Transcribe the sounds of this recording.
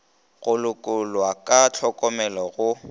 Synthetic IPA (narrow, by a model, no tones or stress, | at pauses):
ɣʊlʊkʼʊlwakʼat͡ɬʰɔkʼɔmɛlɔɣʊ